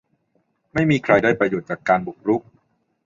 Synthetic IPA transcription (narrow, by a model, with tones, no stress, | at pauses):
ma˥˩jmiː˧kʰɾa˧jdaː˥˩jpɾa˧joː˨˩t̪̚t͡ɕaː˨˩kːaː˧nbu˨˩k̚ɾu˦˥k̚